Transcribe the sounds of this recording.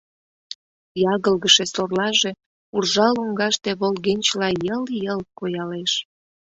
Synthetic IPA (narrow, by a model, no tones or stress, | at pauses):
jɑɣəlɣəʃesorlɑʒe | urʒɑluŋɡɑʃt̪e̽βolɣenʲt͡ɕlɑjəljəlkojɑleʃ